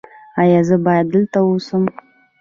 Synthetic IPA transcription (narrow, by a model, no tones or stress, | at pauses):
ajazɨbad̪ɨlt̪ʰawusɨm